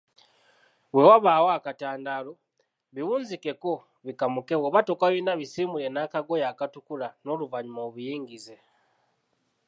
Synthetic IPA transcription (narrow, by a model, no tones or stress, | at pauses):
we̞waβaːwoakataːndaːlo̞ | βiwuːnzike̞ko̞ | βikamuke̞woβato̞kaβinaβisiːmule̞naːkaɡo̞jaːkatukulano̞ːluvaɲumoβujiːŋɡize̞